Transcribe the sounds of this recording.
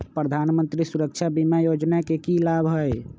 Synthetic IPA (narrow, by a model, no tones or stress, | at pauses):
pɾəd̪ʱanmənt̪ɾisuɾəkt͡ʃʰabimajod͡ʒnakekilabʱɦoj